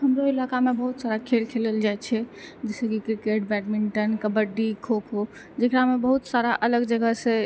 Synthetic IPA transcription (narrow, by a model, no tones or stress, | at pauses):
ɦəmɾoilakamebəɦut̪saɾakʰelkʰeləld͡ʒaet͡ʃʰɛd͡ʒɛsəkikɾikeʈbɛʈmiɳʈənkəbəɖːikʰokʰo | d͡ʒekɾamebəɦut̪saɾaʔələɡd͡ʒəɡəse